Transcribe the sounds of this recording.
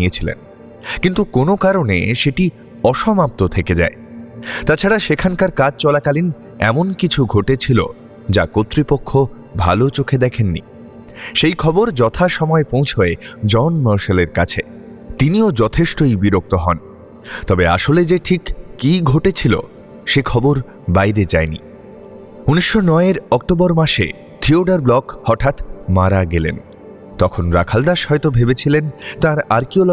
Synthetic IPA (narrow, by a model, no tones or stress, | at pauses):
iet͡ɕʰilḛn | kint̪ukonokaɾonḛʃeʈi | ɔʃɔmap̚t̪ot̪ʰeked͡ʑa̰et̪at͡ɕʰaɽaʃekʰankaɾkad͡ʑt͡ɕɔlakalin | ɛ̰monkit͡ɕʰuɡʱoʈet͡ɕʰilo̰ | d͡ʑakot̪ːɾipokʰːo | bʱa̰lot͡ɕokʰed̪ɛkʰenːḭ | ʃejkʰɔboɾd͡ʑɔt̪ʰaʃɔmɔepõw̃t͡ɕʰoed͡ʑɔnməɾʃeleɾka̰t͡ɕʰe | t̪iniod͡ʑɔt̪ʰeʃʈojbiɾok̚t̪oɦɔn | t̪ɔbea̰ʃoled͡ʑeʈʰikːiɡʱoʈet͡ɕʰilo̰ | ʃekʰɔboɾ | bajɾed͡ʑaenḭ | uniʃːonɔeeɾɔk̚ʈoboɾmaʃḛ | t̪ʰioɖaɾblɔkhɔʈʰat̪maɾaɡelḛn | t̪ɔkʰonɾa̰kʰald̪aʃɦɔjt̪obʱebet͡ɕʰilent̪ãɾaɾkiol